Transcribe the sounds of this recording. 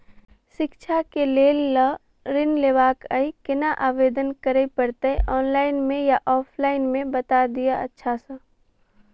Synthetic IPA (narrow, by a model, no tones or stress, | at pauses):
ʃɪkt͡ʃʰakeleːlːa | ɾɪnleːʋaːkaikɪnaʔaːʋeːd̪ənkəɾepəɾt̪əʔɔːnlaːɪnmẽjaʔɔːpʰlaːɪnmẽbɐt̪ad̪ijaɐ̰tːʃʰasə